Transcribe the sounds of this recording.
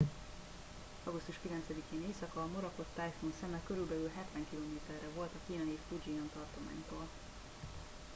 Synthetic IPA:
ɒɡust̪uʃkilɛnt̪sɛd̪ikeːneːsɒkɒːmoɾɒko̞t̪ːajfonsɛmɛkøɾylbɛlylɦɛt̪ʋɛŋkiloːmeːt̪ɛrːɛvo̞lt̪ɒkiːnɒeːflud͡ʒiɔnt̪ɒrt̪oma̰ːɲt̪oːl

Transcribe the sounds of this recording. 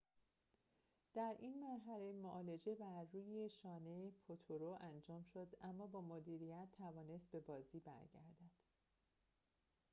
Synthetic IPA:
d̪̥æɾʔinmæɾɦæle̞moʔɒːle̞d͡ʒe̞bæɾːuːjeʃɒːnepʰot̪ʰoɾoʔænd͡ʒɒːmʃod̪ʔæmːɒːbɒːmod̪iːɾijæt̪ʰːævɒːne̞st̪̚be̞bɒːziːbæ̰ɾɟæ̰ɾd̪æd̪̥

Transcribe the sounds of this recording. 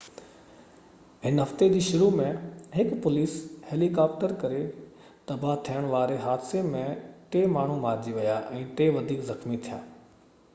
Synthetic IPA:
ɦɪnɦɐft̪ed͡ʑiːʃʊɾumẽɦɪkpʊliːsheːlikaːp̚ʈəɾkɐɾe | t̪ɐbʱaɦt̪ʰijəɽ̃ʋaːɾeɦaːd̪semẽʈ̪eːmaːɳ̤umaːɾd͡ʑiʋɐjaːʔɛ̃ːʈ̪eːʋɐd̪ʱiːkzɐxmit̪ʰija̰ː

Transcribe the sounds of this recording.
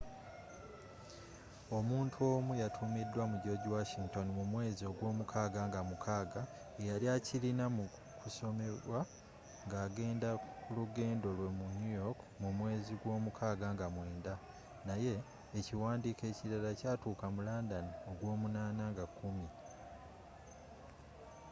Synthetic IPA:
o̞muːntʰuo̞ːmujatʰumidːwamuɟo̞ɟiwaʃiŋto̞nimumwe̞ːzioɡwo̞ːmukʰaːɡaŋɡamukʰaːɡa | ejaliacilinamu | kuso̞me̞ɾwa | ŋɡaːɡe̞ːndakuluɡe̞ːndo̞lwe̞munujo̞kmumwe̞ːziɡwo̞ːmukʰaːɡaŋɡamwe̞ːnda | naje̞ː | ciwaːndike̞ːciɾalacaːtuːkamulaːndanio̞ɡwo̞ːmunaːnaŋɡakʰːumi

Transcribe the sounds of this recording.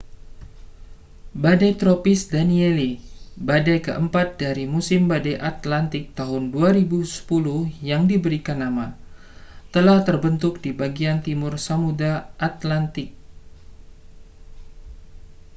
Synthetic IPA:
badajt̪ɾopɪsdanielibadajkə̰ʔəmpat̪̚daɾimusɪmbadaʔat̪lant̪ɪk̚t̪aɦʊnduaɾibusə̥pulʊhjaŋdibəɾikanːama | t̪əlaht̪ərbənt̪ʊk̚dibaɡiant̪imʊrsamudaʔat̪lant̪ɪk̚

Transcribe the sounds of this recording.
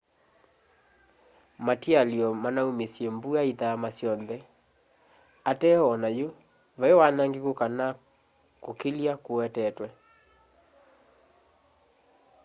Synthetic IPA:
matialjɔmanaumesjembuaiðaamasjɔnðɛ | atɛɔnajo | vaewanaŋɡekokana | kokiljakoɛtɛtwɛ

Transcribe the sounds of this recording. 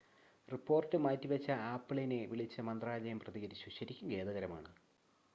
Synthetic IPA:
ripːo̞ːrtːɨmaːtːiʋɐt͡ɕːɐaːpːɨɭɐjineʋiɭit͡ɕːɐmɐnd̪raːd͡ʑɐjɐmprɐðiɣɐɾiɕwikɕɐɾikʲːumɡe̞ːðɐɣɐɾɐma̰ːɳɨ

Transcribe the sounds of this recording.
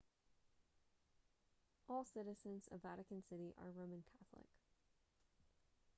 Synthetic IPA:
ʔɔlˠsɪɾɨzɨ̃nz̥ʌvæɾɨkɨ̃nsɪɾiʔə̰˞ɹõʊ̃mɨ̃nkʰæθlɪ̰k

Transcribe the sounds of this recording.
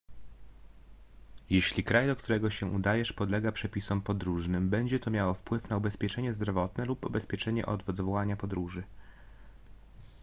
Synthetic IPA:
jeɕlʲikɾajd̪ɔkt̪uɾɛɡɔɕɛʔud̪ajɛʂpɔd̪lɛɡapʂɛpʲisɔmpɔd̪ɾuʐnɘmbɛɲd͡ʑɛt̪ɔmʲjawɔfpwɘfnaubɛspʲjɛt͡ʂɛɲɛzd̪ɾɔvɔt̪nɛlupubɛspʲjɛt͡ʂɛɲɛ̰ʔɔ̰d̪d̪vɔwaɲapɔd̪ɾuʐɘ

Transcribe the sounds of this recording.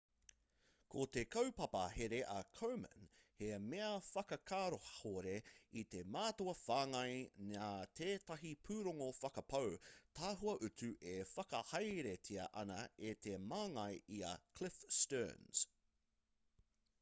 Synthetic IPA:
kʰot̪ekʰɐwpɐpɐ̰ɦeɾeʔɐkʰowmə̰nhemeɐfɐkɐkʰaːɾohhoɾe̞it̪e̞maːt̪oɐfaːŋɐjnaːt̪ʰeːt̪ɐɦipʰʉːɾoŋofɐkɐpʰɐwt̪ʰaːɦuɐʔʉtʉʔefɐkɐhɐjɾetʰiɐ̰ʔɐnɐet̪ʰemaːŋɐjiɐ̰kʰlɪfstɜ̰ːnz̥

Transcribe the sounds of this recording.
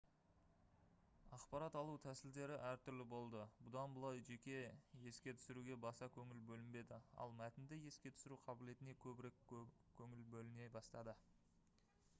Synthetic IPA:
ɑqpɑɾɑt̪ɑlˠut̪ʰæsɪld̪e̞ɾɪʔæɾt̪ʰʏɾlɪbo̞lˠd̪əbʊd̪ɑnbəlˠɑjʒe̞kʲe̞je̞skʲe̞t̪ʰʏ̥sɪɾuɡʲe̞bɑsɑkʲʰɵŋɪlbɵlɪmbe̞d̪ɪɑ̰lˠmæt̪ɪnd̪ɪje̞skʲe̞t̪ʰʏ̥sɪɾuqʰɑbɪle̞t̪ɪne̞kʲʰɵbɪɾe̞kʲkʲʰɵŋɪlbɵlɪne̞jbɑst̪ɑd̪ə

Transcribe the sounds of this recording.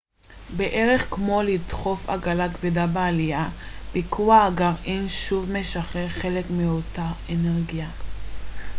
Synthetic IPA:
beʔeʁe̞χkmo̞lidχo̞fa̰ɡalakvidabealijab̥ikʰuaːɡaʁʔinʃuvme̞ʃaχeχe̞le̞kmio̞taeneʁɡia

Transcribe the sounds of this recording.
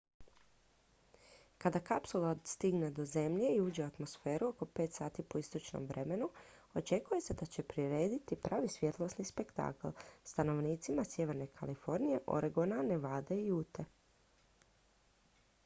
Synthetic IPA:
kad̪akapsulad̪st̪iɡne̞d̪o̞ze̞mʎe̞iuːd͡ʑe̞uat̪mo̞sfe̞ːɾuo̞ko̞pe̞ːt̪saːt̪ipo̞ist̪o̞t͡ʃno̰mʋɾʔe̞me̞nuo̞t͡ʃe̞kuje̞se̞d̪at͡ɕe̞pɾiɾe̞ːd̪it̪ipɾaːʋisʋje̞t̪lˠosnispe̞kt̪a̰ːklst̪ano̞ʋniːt̪simasje̞ʋe̞ɾne̞kʰalifo̞ɾnije̞ʔo̞̰ɾeɡonane̞ʋaːd̪eiuːt̪e̞

